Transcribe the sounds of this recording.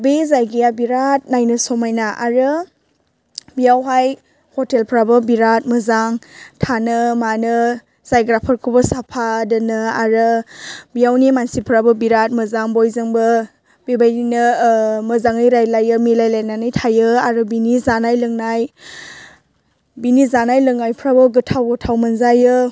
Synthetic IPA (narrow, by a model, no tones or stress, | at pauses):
bezajɡijabiɾat̚najnɯsɔmajnaʔaɾɯ | bijawɦaj | hɔtelpʰɾabɯbiɾat̚mɯzaŋtʰanɯmanɯ | z̥ajɡɾapʰəɾkʰubɐsapʰadɯnɯaɾɯbijawnimansipʰɾabɐbiɾat̚mɐzaŋbojzɯŋbɐ | b̥ibajninɯmɐzaŋɯjɾajlajɯmilajlajnanɯjtʰajɯaɾɯbinizanajlɯŋnaj | binizanajlɯŋajpʰɾabɐɡɯtʰawɡɯtʰawmɐnzajɯ